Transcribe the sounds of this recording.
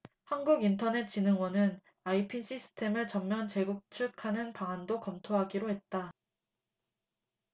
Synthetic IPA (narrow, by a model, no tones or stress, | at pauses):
hanɡuɡintʰʌne̞t̚t͡ɕ͈inɯŋwʌnɯn | aipʰinɕʰisʰɯ̥tʰe̞mɯɭt͡ɕʌmːjʌnt͡ɕe̞ɡuk̚t͡ɕʰɯkʰanɯnpaandokʌmtʰoɦaɡiɾoɦe̞t̚t͈a